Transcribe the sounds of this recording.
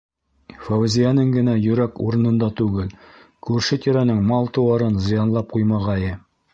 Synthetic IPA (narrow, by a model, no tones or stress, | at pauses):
fowɘzʲijanɘŋɡɘ̆næjɵ̆ɾækṵɾɤ̆nɤ̆nd̪ɑt̪ʉɡɘlkʉɾʃɘt̪ʲiɾænɘŋmɑlˠt̪ɤ̆wɑɾɤnzɤ̆jɑnlˠɑp̚qujmɑʁɑjɘ